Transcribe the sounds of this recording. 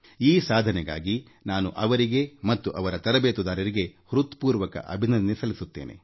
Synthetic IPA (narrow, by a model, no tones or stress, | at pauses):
iːsaːd̪ʱɐnɛɡa̰ːɡi | naːnuʔɐʋɐɾiɡe̞mɐt̪ːuʔɐʋɐɾɐt̪ɐɾɐbeːt̪ud̪aːɾɐɾiɡe̞hɾut̪puːɾʋɐkɐ̰ʔɐ̰bʱinɐnd̪nesɐlisut̪ːḛːnʔe̞̰